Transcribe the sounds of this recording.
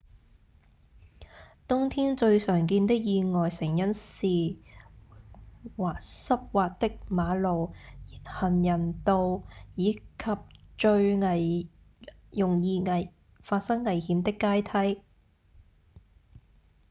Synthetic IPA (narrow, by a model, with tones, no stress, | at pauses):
t̪ʊ˥ŋt̪ʰiː˥nt͡ʃɵ˧ɥsœː˨˩ŋk̬iː˧nt̪ɪ˥k̚jiː˨˧ŋɔː˨jsɪ˨˩ŋjɐ˥nsiː˨ | waː˨˩k̚sɐ˥p̚waː˧t̚t̪ɪ˥k̚maː˨˧lo˨whɐ˨˩njɐ˨˩nt̪o˧wjiː˨˧kʰɐ˨p̚t͡ʃɵ˧ɥŋɐ˨˩j | jʊ˨˩ŋjiː˧ŋɐ˨ | faː˧t̚sɐ˥ŋːɐ˨˩jhiː˨˧mt̪ɪ˥kːaː˥jt̪ʰɐ˥j